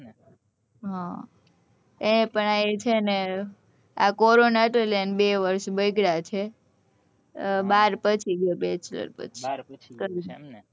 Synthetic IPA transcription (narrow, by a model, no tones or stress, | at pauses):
ɦã | eepəɳaet͡ʃʰene | a̰kɔɾonaʈelenbeʋəɾʃbəjɡɽat͡ʃʰe | baɾpət͡ʃʰiɡebet͡ʃlə̰ɾpə̰t͡ʃʰikəɾi